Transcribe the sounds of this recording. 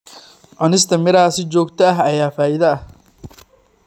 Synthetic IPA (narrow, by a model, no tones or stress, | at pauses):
ʕʊnɪs̬t̪ʰɐmɪɾɐaːsɪt͡ʃɔːɡt̪ʰɐɐɦɐjaːfaːʔɪðɐɐh